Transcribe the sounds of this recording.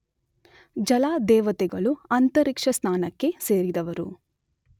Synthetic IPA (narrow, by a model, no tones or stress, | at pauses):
d͡ʒɐlaːd̪ɛːʋɐt̪ɛɡɐɭuɐnt̪ɐɾikʂɐsnaːnɐkːe̞se̞ːɾid̪ɐʋɐɾṵ